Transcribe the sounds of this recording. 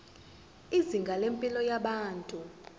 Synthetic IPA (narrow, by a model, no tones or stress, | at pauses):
iziŋɡʱalempʼilɔjaɓaːntʼu